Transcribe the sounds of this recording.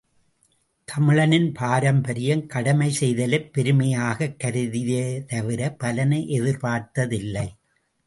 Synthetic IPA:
t̪ʰɐmɪɻɐnɪnpaːɾɐmbɐɾɪjɐmkɐɽɐmɐɪsɛjðɐlɐpːɛɾɯmɐjaːɣɐkːɐɾɯðɪjet̪ɐʋɪɾɐpɐlɐnɐɪʔɛðɪɾpaːɾt̪ɐðɪlːɐɪ

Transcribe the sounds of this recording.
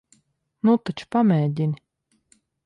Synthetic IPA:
nut̪at͡ʃu̥pamʲɛːɟ̪ʲinʲ

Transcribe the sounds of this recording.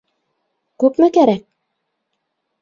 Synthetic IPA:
kʉpmɘkæɾæk̚

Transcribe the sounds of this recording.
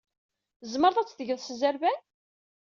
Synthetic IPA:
zməɾˤðˤæt͡sːðəʝəðˤsəzæɾvæ

